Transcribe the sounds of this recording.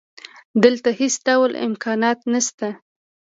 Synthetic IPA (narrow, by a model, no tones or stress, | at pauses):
d̪əlt̪ahisɖawlɪ̰mkʰɑnɑt̪nast̪a